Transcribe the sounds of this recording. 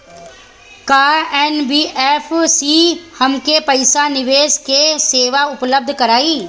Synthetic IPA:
kaːɛːnbiːʔɛːfsiːhɐmkepɐɪsanɪʋeːskeseːʋaʊpləb̚d̪ʱkɐɾaːiː

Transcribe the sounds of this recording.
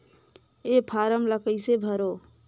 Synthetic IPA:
epʰaɾəmləkəɪsebʱəɾo

